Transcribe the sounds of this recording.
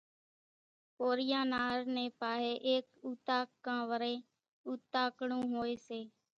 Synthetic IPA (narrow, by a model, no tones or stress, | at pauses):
poːɾɪjãːnaːɾnẽːpaːɦeːʔeːkuːt̪aːkːãːʋəɾeː | uːt̪aːkɳũːɦoːeːseː